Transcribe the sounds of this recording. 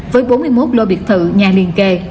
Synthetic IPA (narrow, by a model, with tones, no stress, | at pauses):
vəː˨˦jɓo˨˦nmɨ˧əjmo˦˥t̚lo˧ɓi˨˩ət̚t̪ʰɨ̰˧˨ɲaː˨˩li˨˩ənke˧